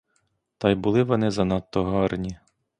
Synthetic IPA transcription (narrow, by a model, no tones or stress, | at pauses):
t̪ɑjbʊlˠɪʋɔnɪzɐnɑt̪ːɔɦɔrnʲi